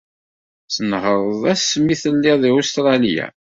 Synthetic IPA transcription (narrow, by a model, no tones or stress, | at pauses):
sənhəɾˤəðˤæsːmːiθəlːiðˤiost̪ɾˤɑlijæ̰